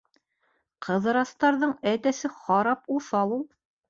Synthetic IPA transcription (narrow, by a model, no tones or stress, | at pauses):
qʰɤ̆ðɤ̆ɾɑst̪ɑɾðɤɴæt̪æsɘχɑɾɑpuθɑlˠulˠ